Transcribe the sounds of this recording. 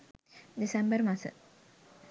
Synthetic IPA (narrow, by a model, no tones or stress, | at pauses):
d̪isɐmbəɾmɐsɨ̰